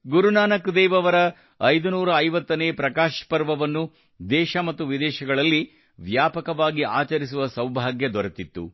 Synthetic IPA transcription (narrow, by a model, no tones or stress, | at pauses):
ɡuɾunaːnɐkd̪ɛːʋɐʋɐɾɐ | ɐjd̪unuːɾɐɐjʋɐt̪ːɐneːpɾɐkaːʃpɐɾʋɐʋɐnːu | d̪ɛːʃɐmɐt̪ːuʋid̪ɛːʃɐɡɐɭɐlːi | ʋjaːpɐkɐʋaːɡiʔaːt͡ʃɐɾis̬uʋɐsɐwbʱaːɡjɐd̪ʋɐɾɐt̪it̪ːṵ